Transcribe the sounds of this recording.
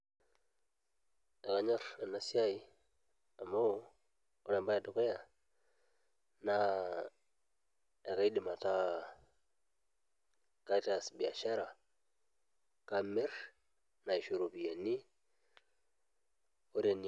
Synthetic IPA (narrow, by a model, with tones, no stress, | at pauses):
e˨ka˨ɲɔ˦ɾe˨na˨si˦a˦i˦ | a˨mo˦ | o˦ɾe˨mba˦ja˨du˨ke˦ja˨ | na˦ | e˨ka˦i˦di˨ma˨ta˦ | ka˦ta˨sbi˨a̰˨ʃa˦ɾa˨ | ka˦me˦ɾ | na˨i˨ʃo˨ɾo˨pi˨ja˨ni˦ | o˦ɾe˨n